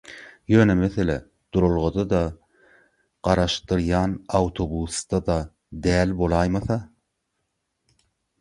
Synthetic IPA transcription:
jøːnæmeθelæ | d̪̥uɾolˠʁod̪ɑd̪ɑ | ɢ̥ɑɾɑʃt̪ɯɾjɑːnɑwt̪ʰo̞busd̪ɑd̪ɑ | d̪æːlbo̞lˠɑjmɑθɑ

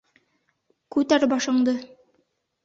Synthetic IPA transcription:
kʉt̪æɾbɑʃɤ̆ɴd̪ɤ

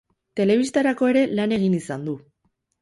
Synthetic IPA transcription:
t̪e̞le̞β̞ist̪aɾako̞e̞ɾe̞lane̞ɣ̞inisand̪u

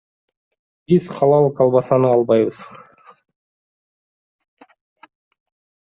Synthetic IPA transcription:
bizχɑlˠɑlˠqʰɑlˠβɑsɑnɯɑlˠbɑjβɯz̥

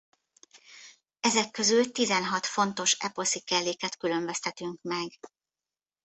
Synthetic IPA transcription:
ɛzɛkːø̞zylt̪izɛnɦɒt̪fo̞nt̪o̞ʃɛ̰posikɛlːeːkɛt̪kyløɱbɛst̪ɛt̪yŋkmɛɡ

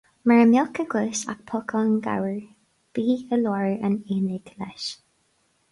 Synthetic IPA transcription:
mɛɹəmjɔkəɡəsa̰k̚pʰɔkʰɔnɡa̰wəɹ | b̥iːəlɔɹəneːnɪɡ̥lɛ̰ʃ

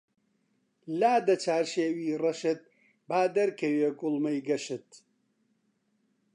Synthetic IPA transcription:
laːd̪ɐt͡ʃʰaːɾʃeːwiːrɐʃɨt̪̚ | baːd̪ɐɾkɐweːɡʊlmɐjɡɐʃɨt̪

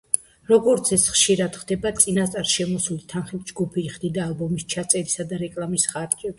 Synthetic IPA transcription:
ɾɔɡɔɾt̪sʰɛsχʃiɾad̪χd̪ɛbat̪sʼinast̪ʼaɾʃɛmɔsulit̪ʰanχit̪̚ʰd͡ʒɡupʰiːχd̪id̪aːlˠbɔmist͡ʃʰat̪sʼɛɾisad̪aɾɛkʼlˠamisχaɾd͡ʒʼɛbi

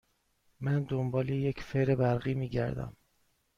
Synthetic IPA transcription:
mænd̪ombɒːlejecʰfeɾebæɾɣiːmiːɟæɾd̪æ̰m

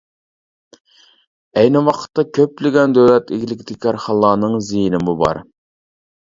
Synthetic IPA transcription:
ɛjnɪwɑqʰə̥t̪ːɑkʲʰøplɪɡʲɛnd̪øwlɛt̪ɪɡʲilɪkʲt̪ʰɪkʲʰɑɾχɑlˠːɑːnɨŋzijinɪmubɑ̰ɾ

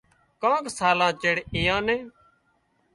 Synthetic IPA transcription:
kãːksaːlãːt͡ʃeːɽeːjãːnẽː

